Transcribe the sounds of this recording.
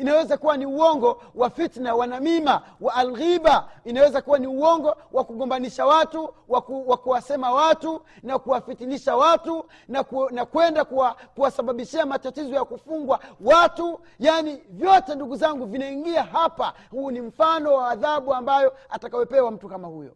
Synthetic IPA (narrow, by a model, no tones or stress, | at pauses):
inawɛzakuwaniuwɔŋɡɔwafitnawanamima | waːlɣibainawɛzakuwaniuwɔŋɡɔ | wʔakuɡɔmbaniʃawatuwawakuwasɛmawatu | nakuwafitiniʃawatu | nanakwɛndakuwakuwasaɓaɓiʃiamatatizɔjakufuŋɡwawatu | janivjɔtɛnduɡuzaŋɡuvinaiŋɡiaɦapa | huːnim̩fanɔwaːðaɓuambajɔatakawɛpɛwam̩tukamahujɔ̰